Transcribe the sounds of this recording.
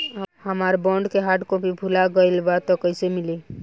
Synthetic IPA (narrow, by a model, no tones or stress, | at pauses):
həmaɾbɔ̃ɳɖkeɦaʈkõpibʱulaɡəɪlbat̪ɔkəɪsemili